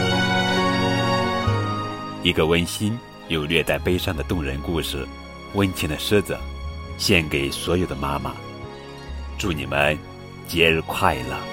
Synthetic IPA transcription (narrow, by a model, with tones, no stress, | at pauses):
i˧˥ɡə˧wə˥nɕi˥n | jo˨˩ʊlɥɛ˥˧t͡sa˥˩ɪpe˥ɪʂɑ˥˩ŋd̪ə˩t̪ʊ˥˩ŋɻə˧˥nku˥˧ʂɻ̩˩ | wə˥nt͡ɕʰi˧˥ŋd̪ə˧ʂ̩˥t͡sə̰˨˩˦ɕjɛ˥˩nke˨˩ɪswɔ˧˥jo˨˩ʊd̪ə˦ma˥ma̰˨˧ | ʈ͡ʂu˥˩nḭ˨˩mə˦n | t͡ɕjɛ˧˥ɻ̩˧˥kʰwa˥˩ɪlə̰˩